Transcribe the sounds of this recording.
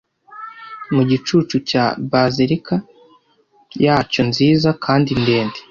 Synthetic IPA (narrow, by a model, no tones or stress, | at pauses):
muɟit͡ʃuːt͡ʃucabaziɾika | jaːco̞nziːzakʰaːndinde̞ːnde